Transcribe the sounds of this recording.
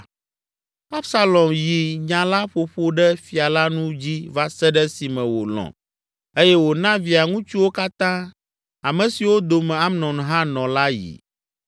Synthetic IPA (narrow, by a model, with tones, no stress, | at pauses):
a˦bsa˦lɔ˨mji˨ɲã˨la˦ɸo˨ɸo˦ɖɛ˦fi˨a˨la˦nũ˦d͡ʑi˦va˦sɛ˦ɖɛ˦si˨mɛ̃˨wo̰˨lɔ̰̃˨ | e˦jɛ˦wo˨nã˦vi˨a˨ŋũ˦t͡ʃu˦wo˦ka˦t̪ã˦ | a˨mɛ̃˨si˨wo˦d̪o˨mɛ̃˨a˦mnɔ̃˨ñ˨ɦã˦nɔ̃˨la˦jḭ˨